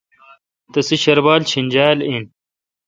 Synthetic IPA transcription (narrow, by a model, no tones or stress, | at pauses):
t̪ɐsiɕɐɾbaːlt͡ɕʰinʲd͡ʑaːlin